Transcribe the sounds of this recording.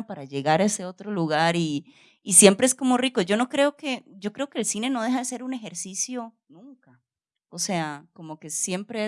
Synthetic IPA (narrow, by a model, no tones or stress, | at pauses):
apaɾaʝe̞ɣaɾaese̞o̞t̪ɾo̞luɣaɾiː | sje̞mpɾe̞esko̞moriko̞ʝo̞no̞kɾe̞o̞ke̞ɟ͡ʝo̞kɾe̞oke̞ːlsine̞no̞ð̞e̞xaðe̞se̞ɾune̞xe̞ɾsisjo̞ | nũŋka | ose̞ako̞moke̞sje̞mpɾe̞